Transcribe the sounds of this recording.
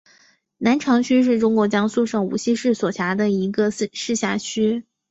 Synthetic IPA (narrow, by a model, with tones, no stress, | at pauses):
na˧˥nʈ͡ʂʰɑ˧˥ŋt͡ɕʰy˥ʂ̬ɻ̩˥˩ʈ͡ʂʊ˥ŋkwɔ˧˥t͡ɕjɑ˥ŋsu˥˧ʂɤ˥˩ŋṵ˨˩ɕi˥˧ʂɻ̩˥˩swɔ˨˩t͡ɕʰja˧˥d̪ə˧i˧˥ɡə˧˥˧ʂɻ̩˥˧ɕja˥˩t͡ɕʰy˥